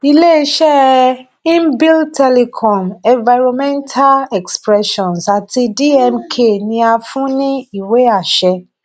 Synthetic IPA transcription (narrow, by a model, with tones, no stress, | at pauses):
i˦˧le˦i˦ʃɛ˦ | ĩ˦mbi˦ltʰɛ˦le˧kʰɔ̃˨mɛ̃˨va˧ɾɔ˧mɛ̃˦ntʰa˦lɛ˨kspɾɛ˦ʃɔ̃˨nsa˨tʰi˧di˦ɛ˧mkʰe˦˨nĩ˧a˧fũ˦nĩ˦i˦˨we˨˦a˦˨ʃɛ˧